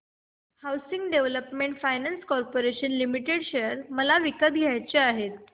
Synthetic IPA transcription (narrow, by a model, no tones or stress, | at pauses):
hawsiŋɡɖeʋləpmeɳʈfajnanskɔɾpoɾeɕənlimiʈeɽɕeəɾməlaʋikət̪ɡʱjajt͡ɕeaɦet̪